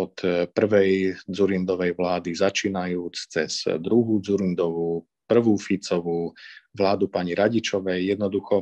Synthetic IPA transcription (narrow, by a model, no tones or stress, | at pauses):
ɔt̪pr̩ʋɛjd͡zuɾind̪ɔʋɛjʋlaːd̪izat͡ʃiːnajuːt͡st͡sɛ̰sd̪ɾuɦuːd͡zuɾind̪ɔʋuː | pr̩ʋuːfit͡sɔʋuːʋlaːd̪upaɲiɾaɟit͡ʃɔʋɛjːɛd̪nɔd̪uxɔ